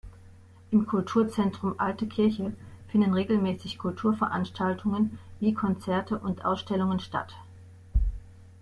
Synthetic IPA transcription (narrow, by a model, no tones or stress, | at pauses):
ʔɪmkʰʊltʰuːɐt͡sɛntʁ̥ʊmʔaltəkʰɪɐçəfɪndnʁeːɡl̩mɛːsɪçkʰʊltʰuːɐfɛɐʔanʃtʰaltʰʊŋənviːkʰɔnt͡sɛɐtʰəʔʊntʔa̰ʊsʃtɛlʊŋənʃta̰t